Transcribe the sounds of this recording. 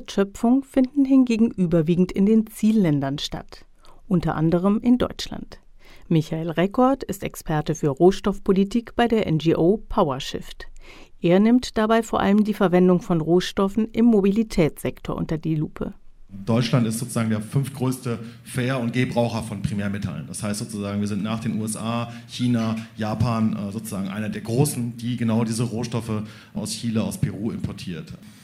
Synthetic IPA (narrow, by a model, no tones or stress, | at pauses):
tʃœpfʊŋfɪndn̩ɦɪnɡeːɡŋ̩ʔyːbɐviːɡŋ̩tɪndeːnt͡siːlːɛndɐnʃta̰t | ʔʊntɐʔandəʁ̞əmʔɪndɔ̰ʏt͡ʃla̰nt | mɪçaeːlʁɛkɔɐtɪstɛ̰kspʰɛɐtəfyːɐʁoːʃtɔfpʰolitʰiːkb̥aɪdeːɐʔɛnd͡ʒiːʔoːpʰaʊɐʃɪ̰ft | ʔeːɐnɪmtd̥abaɪfoːɐʔa̰ləmdiːfɛɐvɛndʊŋfɔnʁoːʃtɔfn̩ʔɪmːobilitʰɛːt͡sz̥ɛktʰoːɐʔʊ̰ntɐdiːluːpʰə̰ | d̥ɔʏt͡ʃlantɪstz̥oːt͡suzaːɡŋ̩deːɐfʏnftɡ̥ʁøːstə | feːɐʊnt̚ɡ̥eːbʁaʊxɐfɔnpʁ̥imɛːɐmɪtʰa̰lə̰nd̥ashaɪstz̥oːt͡suzaːɡŋviːɐzɪntnaːχd̥eːnuːɛsʔaːçiːnajaːpʰaːnzoːt͡suzaːɡŋ̩ʔa̰ɪnɐdeːɐɡʁoːsn̩diːɡənaʊdiːzəʁoːʃtɔfə | ʔa̰ʊsçiːləaʊspʰɛʁuːɪmpʰɔɐtʰiːɐt